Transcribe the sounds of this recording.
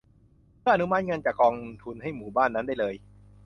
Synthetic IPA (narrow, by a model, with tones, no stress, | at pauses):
mɯː˥˩˨ʔa˧nu˦˥ma˦˥t̪̚ŋɤ˧nt͡ɕaː˨˩kːɔː˧ŋt̪ʰu˧nha˥˩jmuː˨˩baː˥˩nːa˦˥ndaː˥˩jlɤː˧j